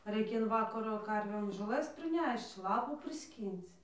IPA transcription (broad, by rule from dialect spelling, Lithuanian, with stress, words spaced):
rɐɪkʲɛ ɪn ˈʋɑːkɐroː ˈkɐrʲʋʲeːm ʒoːˈlˠɘs pʲrʲɪˈnʲɛʃt͡ʃ ˈlˠɑːpuː pʲrʲɪˈsʲkʲiːnt͡s